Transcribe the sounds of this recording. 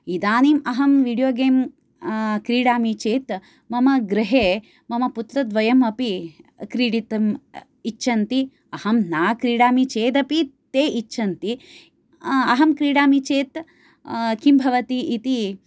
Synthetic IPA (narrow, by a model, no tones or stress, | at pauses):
id̪aːniːmɐɦɐmʋiːɖijoːɡeːm | kɾiːɽaːmit͡ʃeːt̪ | mɐmɐɡɾɐɦeː | mɐmɐput̪ɾɐd̪ʋɐjɐmɐpikɾiːɽit̪ɐm | iʃʰɐnt̪i | ɐhɐmnaːkɾiːɽaːmit͡ʃeːd̪ɐpit̪eːʔit͡ʃːʃʰɐnt̪i | ɐɦɐmkɾiːɽaːmit͡ʃeːt̪ | kimbʱɐʋɐt̪iʔit̪i